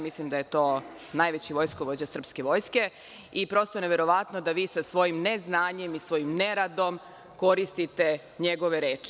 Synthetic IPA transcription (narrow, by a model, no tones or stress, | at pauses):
mislimd̪aje̞t̪oː | najʋet͡ɕiʋo̞jskoʋo̞d͡ʑasr̩pske̞ʋo̞ːjske̞ | ipɾo̞st̪oneʋeɾo̞ʋat̪nod̪aʋiːsasʋo̞jimneznaːɲe̞misʋo̞jimneɾad̪o̞m | ko̞ɾist̪it̪e | ɲeɡo̞ʋeɾeːt͡ʂi̥